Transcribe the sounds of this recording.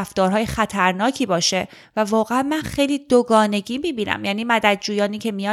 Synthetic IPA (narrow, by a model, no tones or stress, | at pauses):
ft̪ɒːɾɦɒːjexæt̪ʰæɾnɒːcʰiːbɒːʃe̞ | vævɒːɣeæmmænxejliːd̪oɡɒːne̞ɡiːmiːbiːnæ̰mjæːniːmæd̪æd̪̚d͡ʒuːjɒːniːcʰe̞mijɒ